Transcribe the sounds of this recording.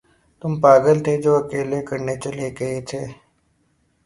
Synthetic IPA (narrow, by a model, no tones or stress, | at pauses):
t̪ʊmpaːɡəlt̪ʰed͡ʒoːɐkeːlekɐɾnet͡ʃɐleɡɐet̪ʰeː